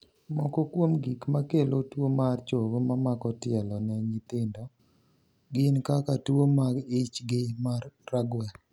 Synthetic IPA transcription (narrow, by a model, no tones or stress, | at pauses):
mɔkɔkwomɡikmakelotwomart͡ʃoɡomamakɔtɪɛlɔnɛɲɪt̪ɪndɔ | ɡɪnkakatwomaɡɪt͡ʃɡɪmarːaɡwɛ